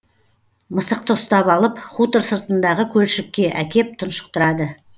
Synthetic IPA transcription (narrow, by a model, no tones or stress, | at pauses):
məsəq̚t̪əʊst̪ɑpɑlˠəpχut̪əɾsəɾt̪ənd̪ɑʁəkʲʰɵlʃɪkʲːe̞ʔækʲe̞p̚t̪ʰʊnʃə̥q̚t̪əɾɑd̪ə